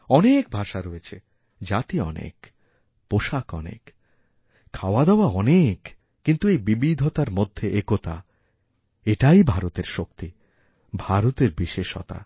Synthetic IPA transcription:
ɔnek̚bʱaʃaɾoet͡ɕʰe | d͡ʑat̪iɔ̰nḛk | poʃakɔnḛk | kʰːaoad̪ɛɔoaɔnekː | int̪uejbibid̪ʱot̪aɾmod̪ʱːeʔekot̪a̰ | eʈajbʱaɾot̪eɾʃok̚t̪i | bʱaɾot̪eɾbiʃeʃɔ̰t̪a̰

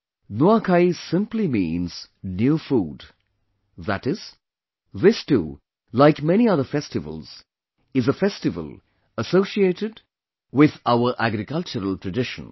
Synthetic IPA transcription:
noakʰaɪsɪ̃mplimĩːnz̥ | njuːfuːd | ðætɪz̥ | ðɪstṵː | laɪkmɛñiʌðəfɛstɨvə̰lˠz̥ | ɪzəfɛstɨvə̰lˠ | əsoːsieːʈɪd | wɪðaʊəɾʔæɡɾɪkʌlt͡ʃəɾəl̩ˠtɹəɖɪʃə̰̃n

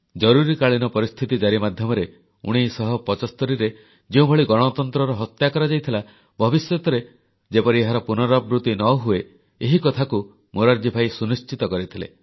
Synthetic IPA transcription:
d͡ʒɔɾuɾikaɭinɔpɔɾist̪ʰit̪id͡ʒaɾimad̪ʱjɔmɔɾe | ṵɽ̃isɔɦɔpɔt͡ʃɔst̪ɔɾiɾe | d͡ʒeũbʱɔɭiɡɔɽ̃ɔt̪ɔnt̪ɾɔɾɔɦɔt̪jakɔɾad͡ʒajt̪ʰila | bʱɔbisjɔt̪ɔɾe | d͡ʒepɔɾieɦaɾɔpunɔɾɔbɾut̪inɔɦue | eɦikɔt̪ʰaku | moɾaɾd͡ʒibʱajsunist͡ʃit̪ɔkɔɾit̪ʰilḛ

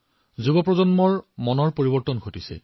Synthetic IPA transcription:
zubɔpɹɔzɔnmɔɹmɔnɔɹpoɹibɔɹtɔnɡʰʱotisɛ̰

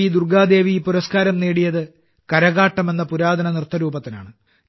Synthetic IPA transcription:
id̪urɡʱaːd̪e̞ːʋipuɾɐskaːɾɐmneːɽijɐðɨ | kɐɾɐɣaːʈːɐme̞nːɐpuɾaːd̪ɐnɐnirt̪ːɐɾuːbɐt̪ːina̰ːɳɨ

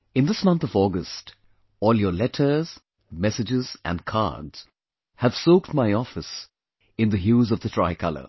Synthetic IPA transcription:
ɨ̃nd̪ɪsmʌ̃nt̪ɔvɔːɡəst | ɔːljəlɛtʰə˞z̥ | mɛsɨd͡ʒɪzʔæ̰̃nkʰa̰dz̥ | hæv̥soʊkt̚maɪɔfɨs | ɪ̃nd̪əɦjuːzʌvðətʰɹaɪkʰʌlə̰

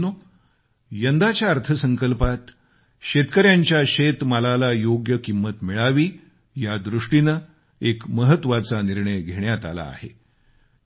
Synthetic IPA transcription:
no | jənd̪at͡ɕjaəɾt̪ʰəsəŋkəlpat̪ | ɕet̪kəɾjaɲt͡ɕjaɕet̪malalajoɡjəkimːət̪miɭaʋiː | jad̪ɾuʂʈinə | ekməɦət̪ʋat͡saniɾɳəjɡʱeɳjat̪a̰la̰ːhḛ

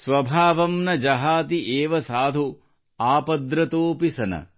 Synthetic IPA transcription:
sʋɐbʱaːʋɐmnɐd͡ʒɐɦaːt̪iʔeːʋɐsaːd̪ʱu | aːpɐd̪ɾɐt̪oːpisɐnɐ̰

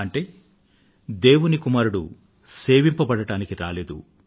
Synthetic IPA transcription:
ɐɳʈe̞ː | d̪e̞ːwunikumaːɾuɽu | seːʋimpɐbɐɽɐɽaːnikiɾa̰ːle̞ːd̪ṵ

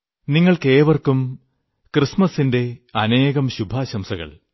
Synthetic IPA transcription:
niŋːɐɭke̞ːʋɐrkum | krɨsmɐsinde̞ɐne̞ːɣɐmɕubʱaːɕɐmsɐɣɐ̰ɭ

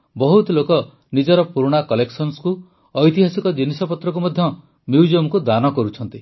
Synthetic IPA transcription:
bɔɦut̪ɔlokɔ | nid͡ʒɔɾɔpuɾuɽ̃akɔleksɔnsku | ɔjt̪iɦasikɔd͡ʒinisɔpɔt̪ɾɔk̬umɔd̪ʱjɔ | mjuwd͡ʒomkud̪anɔkɔɾut͡ʃʰɔnt̪i

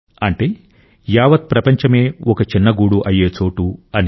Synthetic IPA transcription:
ɐɳʈeː | jaːʋɐt̪̚pɾɐpɐɲt͡ʃɐme̞ːɔkɐt͡ʃinːɐɡuːɽuʔɐjːeːt͡ʃo̞ːʈuɐni

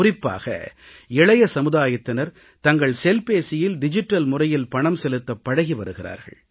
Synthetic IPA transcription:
ʊrɪpːa̰ːɣɐ̰ | ɪɭɐjɐsɐmɯðaːjɐt̪ːɪnɐɾ | t̪ɐŋɡɐɭsɛlpeːsɪjɪlɖɪd͡ʒɪʈːɐlmʊrɐjɪlpɐɳɐmsɛlɯt̪ːɐpːɐɽɐɣiʋɐɾɯɣɪra̰ːɾɣɐ̰ɭ

